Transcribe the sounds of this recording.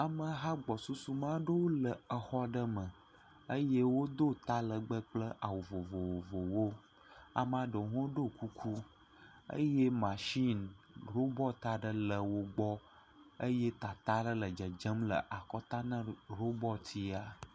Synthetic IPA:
a˨mə̃˨ɦa˦ɡ͡bɔ˨su˦su˦mã˦ɖə˦wo˦lə˨ə˨xɔ˦ɖə˦mə̃˨ | ə˦je˦wo˦d̪o˦t̪a˦lə˨ɡ͡bə˦k͡plə˦ʔa˨wo˨vo˨vo˨wo˨vo˨wo˦ | a̰˨m˦ã˨ɖə˨ɦõ˦ɖo˦ku˦kʰu˦ | ə̰˦je˦mã˨ʃi˦n | ɾo˦bɔ˦t̪a˦ɖə˦lə˨wo˦ɡ͡bɔ˦ | ə˦je˦t̪a˨t̪a˦ɖə˦lə˨d͡ʒə˨d͡ʒə˦mlə̰˨ʔa˨kɔ˦t̪a˦nə̃˦ɾo˦bɔ˦t̪ʰi˦a˨

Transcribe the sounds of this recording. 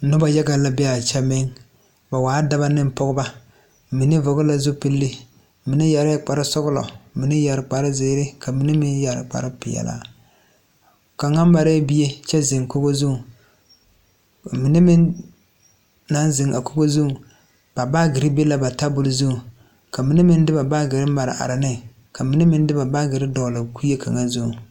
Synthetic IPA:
nʊ˦ba˨ja˦ɡa˨la˦bɛ˦a˨t͡ʃɛ˦mɪ˦ŋ | ba˨waː˨˦da˦ba˦nɪ˦m˦pɔ˦ɡʊ˦ba˦ | mi˨nɪ˦vɔ˨ɡʊ˦la˨zʊ˦pi˦lːɪ˦ | mɪ˨nɪ˦ja˨ɾɪ˦k͡pa˨ɾɪ˦sʊ˦ɡʊ˦lɔ̰˨mɪ˨nɪ˦ja˨ɾɪ˨k͡pa˨ɾɪ˦zɪː˦ɾɪ˦ka˨mi˨nɪ˦mɪ˦nja˨ɾɪ̰˨k͡pa̰˨ɾɪ˦pɪ̰˨jɛ̰˨la̰˦ | ka˨ŋa˦m˦ba˨ɾɛ˦bi˦e˦t͡ʃɛ˦zɪ˨ŋko˦ɡo˦zʊ˦˨ | mɪ˨˦nɪ˦mɪ˦n | na˦nzɪ˨ŋʔa˨ko˦ɡo˦zu˦˨ | b̥a˨ba˦ɡɪ˨ɾɪ˦be˦la˨ba˨ta˦bʊ˦lʊ˦zu˦u˨ | ka˨mi˨˦nɪ˦mɪ˦n˦dɪ˦ba˨ba˦ɡɪ˨ɾɪ˦ma˨ɾɪ̰˨ʔa̰˨ɾɪ˨nɪ˦ŋ | kʰa˨mɪ˨˦nɪ˦mɪ˦n˦dɪ˦ba˨ba˦ɡɪ˨ɾɪ˦dɔ˨lɨ˨ku˦e˦kʰa̰˨ŋa˦nzu˦˨

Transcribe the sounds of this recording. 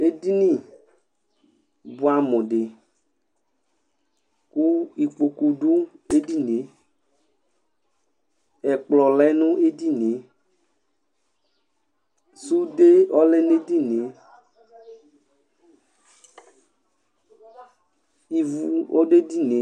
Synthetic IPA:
e˦di˦nĩ˦˨ | bu˦a˦mɔ̃˨ɖe˨ | ku˦i˨k͡po˨ku˨du˦e˦di˦ne˨ | ɛ˨k͡plɔ˨lɛ˦nũ˦e˦di˦ne˨˦ | su˦de˦ɔ˦le˦ne˦di˦ne˨ | i˨vu˨o˦de˦di˦ne˨˦

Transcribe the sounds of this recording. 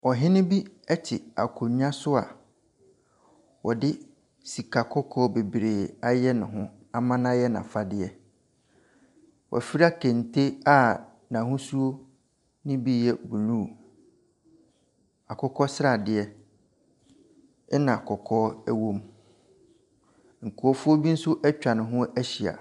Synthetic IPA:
wɔ˨ɦɪ̃˦nʊ̃˦bi˦ɛ˦t͡ɕʰɪ˨a̰˨kʰo˨ɲ˦ã˦sʊ˦a˨ | wɔ˨dɪ˦ | si˨kʰa˨kʰɔ˦kʰɔː˦be˨bɾeː˨a˨jɛ˦nʊ̃˨ɦʊ̃˦ | a˨mã˦n˦a˦jɛ˦nã̰˨fa˨dɪ˨ɛ˨ | wʔɔ̰˨fi˦ɾa˦kʰẽ˨ntʰe˦a˦˨ | nã˨ɦʊ̃˦su˦o˦ | nɪ̃˦bi˦jɛ˦bu˨nũ˦˨ | a˨kʰɔ˦kʰɔ˦sɪ˦ɾa˨dɪ˨ɛ˦ | ɛ˦nã˨a˨kʰɔ˨kʰɔː˦ɛ˦wõ˦m | ŋ̩˨kʰʊ˨ɔ˦fʊ˦o˦bi˦n̩˦sʊ˦ʔɛ˦t͡ɕᶣã˨nɪ̃˨ɦʊ̃˦æ˦ɕi˨a̰˨

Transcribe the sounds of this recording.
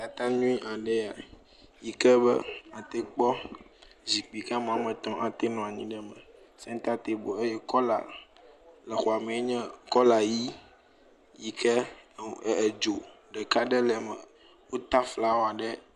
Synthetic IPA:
ka˨t̪ã˦nũ˦i˦ʔa˨ɖɛ˦a˨ | ji˦kɛ˦bɛ̰˦a˨t̪e˦k͡pɔ˦ | zi˨k͡pi˨ka˦m˨ã˨˦mɛ̃˨t̪ɔ̃˦ʔa˨t̪ɛ˦nɔ̃˨a˨ɲĩ˦ɖɛ˦mɛ̃˨ | sɛ̃˦ŋ˦t̪a˦t̪e˨bo˨e˦jɛ˦kɔ˦la̰˨ | lɛ˨xo˨a˨me˨e˦ɲɛ̃˦kɔ˦la˨ji˦ | ji˦kʰɛ˦˨ | d͡ʒo˨ | ɖɛ˨ka˦ɖɛ˦lɛ˨mɛ̃˨ | wo˦t̪a˦fla˦wo˦˨a˨ɖɛ˦

